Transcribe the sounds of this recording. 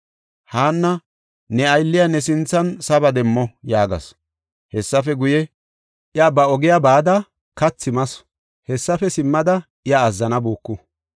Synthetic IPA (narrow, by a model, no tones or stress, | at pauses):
haːnːɐ | nɛɐjlːɪjɐnɛsɪnt͡sːɐnsɐbɐd̪ɛmːɔjaːɡɐ̰s | hɛsːɐfɛɡʊjɛ | ʔɪabɐɔɡɪjabaːd̪ɐ | kɐt͡sːɪmɐs | hɛsːɐfɛsɪmːɐd̪ɐ | ɪjaːzːɐnɐbuːkːʊ